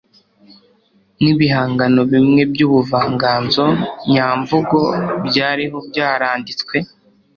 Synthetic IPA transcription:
niβihaːŋɡano̞βimŋe̞bjuːβuvaːŋɡaːnzo̞ɲaːɱvuɡo̞bjaːɾiɦo̞bɟaːɾaːndit͡skwe̞

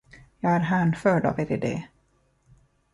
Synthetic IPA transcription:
jɑːɡæɾɦænfœːɖa̰veːɾɪd̪ḛː

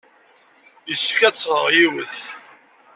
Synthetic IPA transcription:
jəsə̥fkæt͡sːəʁjiwəθ

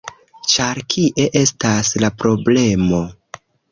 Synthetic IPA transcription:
t͡ʃaɾkʰiʔe̞ʔe̞staslapɾo̞ble̞mo̞

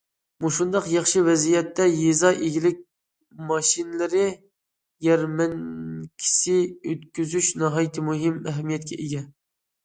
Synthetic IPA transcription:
muʃund̪ɑqjɑχʃɨvɛzijɛt̪ːɛjezɑʔeɡʲilɪk̚ʲ | mɑʃinlɪɾɪ | jɛɾmɛnkʲʰi̥sɪøt̪kʲyzyʃnɑɦɑjit̪ʰɨmuɦɪmɛɦɛmijɛt̪̚kʲʰɛʔeɡʲɛ

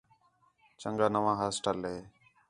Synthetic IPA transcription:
t͡ʃəŋɡaːnəʋãːɦaːsʈəlɦeː

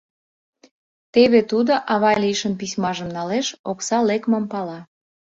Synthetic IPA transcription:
t̪eβet̪ud̪oʔɑβɑlʲiʃənpisʲmɑʒəmnɑleʃoksɑlekməmpɑlɑ

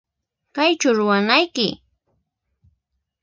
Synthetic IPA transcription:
kajt͡ʃʊɾʊwanajkɪ

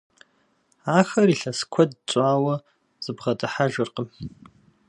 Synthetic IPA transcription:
axɐɾiɬaskʷʰɐdt͡ɕʷʼaːwa | z̥ɨbʁatʼaħaʒʷʊrqʼəm

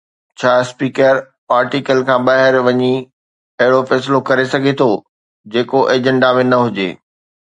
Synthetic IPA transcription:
t͡ɕʰaːspiːkəɾ | aːɾʈikəlkʰãːbaːɦɪɾʋɐɲi | ɐɦɪɽofɛːslokɐɾesɐɡʱet̪ʰo | d͡ʑeːkoʔeːd͡ʑə̃ɳɖamẽnɐɦʊd͡ʑḛː

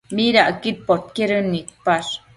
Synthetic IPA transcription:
miɾaʔəkit̪̚pot̪̚keɾɯnːik̪̚paʂ

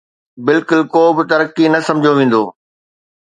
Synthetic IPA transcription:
bɪlkʊlkoːbɪt̪ɐɾəkinɐsɐ̃md͡ʑʱoʋẽːn̆d̪oː

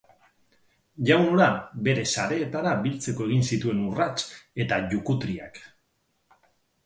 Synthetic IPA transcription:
ʝawnoɾabe̞ɾe̞saɾe̞ːt̪aɾabilt͡se̞ko̞e̞ɣ̞insit̪ue̞nurat͡ʃe̞t̪aʝukut̪ɾia̰k

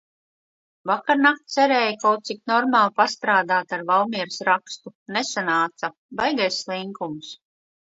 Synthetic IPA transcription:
vakaɾnakt̪sɛɾɛːjkawt̪̚siknɔɾmaːlˠpast̪ɾaːd̪aːt̪aɾvawmiɛɾsɾakst̪unesanaːt̪sa | bajɡajslˠiŋkums

